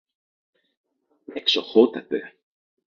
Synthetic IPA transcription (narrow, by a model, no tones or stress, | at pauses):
ɛksɔhoːt̪at̪ʏ